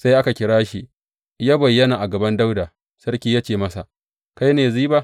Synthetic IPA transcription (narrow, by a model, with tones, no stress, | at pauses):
sa˦jʔa˦ka˨kʲɪ˦ɽaː˦ʃi˨ʔ | jaː˦bɐ˨jːɐ˦naː˨ʔa˨ɡɐ˨bɐ˦nda˦wda˨ | sɐ˦rkʲiː˦ja˦t͡ʃeː˨mɐ˦sa˨ʔ | ka˦jneː˨ziː˦ba˦